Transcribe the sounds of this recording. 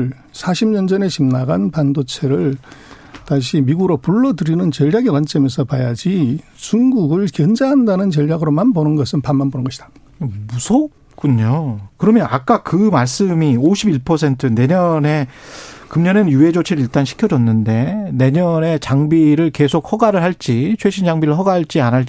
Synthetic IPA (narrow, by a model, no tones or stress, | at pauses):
ɭ | sʰaɕʰimɲʌnd͡ʑʌne̞ɕimnaɡanpandot͡ɕʰeɾɯɭ | taŋɕʰimiɡuɾopuɭːʌdɯɾinɯnt͡ɕʌʎjaɡekwant͡ɕ͈ʌmesʰʌpajad͡ʑit͡ɕuŋɡuɡɯɭkjʌnd͡ʑaɦandanɯnt͡ɕʌʎjaɡɯɾomanponɯnɡʌsʰɯnpanmanbonɯnɡʌɕʰi̥d̥ḁ | musʰop̚k͈uɲokɯɾʌmjʌnak̚k͈akɯmaɭs͈ɯmioɕʰibiɭpʰʌsʰe̞ntʰɯne̞ɲʌne̞kɯmɲʌnɯnjuɦe̞d͡ʑot͡ɕʰeɾɯiɭt͈anɕʰi̥kʰjʌd͡ʑʌnːɯnde̞ne̞ɲʌne̞t͡ɕaŋbiɾɯɭke̞sʰok̚hʌɡaɾɯɭɦaɭt͡ɕ͈it͡ɕʰweɕʰind͡ʑaŋbiɾɯɭɦʌɡaɦɭt͡ɕ͈ianaɭt͡ɕ